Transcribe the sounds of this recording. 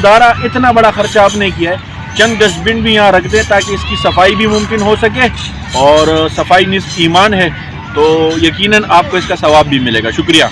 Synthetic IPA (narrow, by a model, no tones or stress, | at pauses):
d̪aːɾaʔɪt̪nabɐɽaxɐɾt͡ʃaːpnekijaɦɛː | t͡ʃɐ̃nd̪ɖɪsbɪ̃ɳɖbʱijɐɦãɾɐkʰt̪ẽɦɛ̃t̪aːkeɪskisɐfaːibʱimʊ̃mkɪnɦosɐk̬eː | ɔːɾsɐfaːinɪsbiːmaːnɦɛː | t̪oːjɐkiːnənaːp̚koɪskasɐʋaːbːʱimɪlḛːɡaːʃʊkɾija̰ː